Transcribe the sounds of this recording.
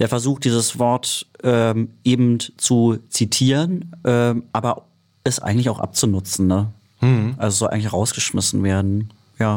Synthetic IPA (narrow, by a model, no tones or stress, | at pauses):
d̥eːɐfɛɐzuːxt̚d̥iːzəsv̥ɔɐtʔɛːʔeːbm̩tt͡sut͡sitʰiːʁənʔɛːʔaːbɐ | ɪstʔa̰ɪɡŋ̩tlɪçaʊxʔa̰p̚t͡sunʊt͡sn̩nə | ʔalzosz̥ɔlʔaɪŋ̩lɪçʁaʊsɡ̥əʃmɪsn̩veːɐdn̩ | jaː